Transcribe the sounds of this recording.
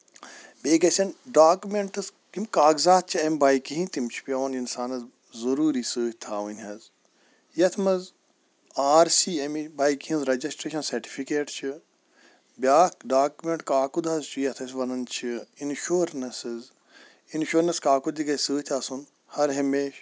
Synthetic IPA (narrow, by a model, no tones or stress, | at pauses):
bʲeːɡɐsʲɐnɖaːkumeɳʈɨzkimkaːɡzaːt̪̚t͡ʃʰiɐmbaːjkiɦĩnt̪imt͡ʃʰi̥pʲɐʋɐninsaːnɐz | zɐɾuːɾiːsɨːt̪ʰaːʋunʲɦɐz | jɐt̪ʰmɐz | aːɾsiːɐmibaːikiɦĩnzɾɐd͡ʒɐsʈɾeːʃɐnsɐɾʈi̥fʰikeːʈt͡ʃʰi | bʲaːɖaːkumeɳʈkaːkud̪ɐzt͡ʃʰujɐt̪ʰɐs̬ʲʋɐnɐnt͡ʃʰiinʃuːɾnɐsɨz | inʃoːɾnɐskaːkud̪iɡɐsɨːt̪ʰɐsun | hɐɾɦɐmeːʃ